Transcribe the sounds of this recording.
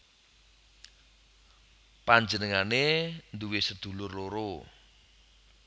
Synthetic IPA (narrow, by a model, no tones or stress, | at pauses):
paɲd͡ʒənəŋanend̪uwisəd̪̥ṳlʊrloɾo